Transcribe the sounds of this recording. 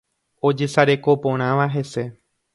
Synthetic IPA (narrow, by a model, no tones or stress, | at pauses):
o̞d͡ʒe̞saɾe̞ko̞põɾ̃ãʋaɦe̞se̞